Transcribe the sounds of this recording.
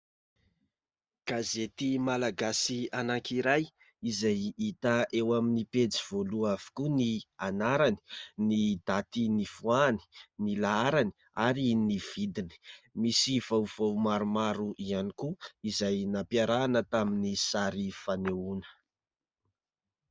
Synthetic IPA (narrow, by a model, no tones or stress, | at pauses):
ɡ̥azet̪imalaɡasianaŋkiɾaj | izajit̪aʔewaminiped͡ziv̥oluavu̥kunianaɾani̥nid̪̥at̪inifuani̥nilaaɾani̥ | aɾiniv̥id̪ini̥misivawv̥awmaɾumaɾuʔianikuizajnapjaɾanət̪aminisaɾifaneunə̥